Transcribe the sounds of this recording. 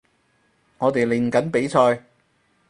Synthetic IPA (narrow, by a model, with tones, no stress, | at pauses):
ŋɔː˨˧t̪e˨jli˨˩ŋkɐ˨˥npe˨˥jt͡sʰɔː˧j